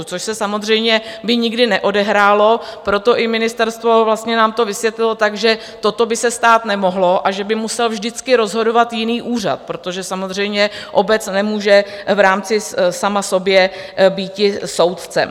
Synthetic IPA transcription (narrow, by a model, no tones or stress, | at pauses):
t͡soʃsɛsamozr̝ɛjmɲɛbɪɲɪɡdɪnɛʔo̞dɛɦɾaːlo̞pɾo̞t̪o̞ʔɪmɪnɪst̪ɛɾst̪vo̞vlast̪ɲɛnaːmt̪o̞vɪsvjɛt̪lɪlot̪aɡʒɛ | t̪o̞t̪o̞bɪsɛst̪aːt̪nɛmo̞ɦlo̞ʔaʒɛbɪmusɛlvʒdɪt͡skɪɾo̞zɦo̞do̞vat̪jɪniːʔuːr̝a̰t̪̚pɾot̪o̞ʒɛsamozr̝ɛjmɲɛʔo̞bɛt͡snɛmuːʒɛvɾaːmt͡sɪsamaso̞bjɛbiːcɪso̞wt̪t͡sɛ̰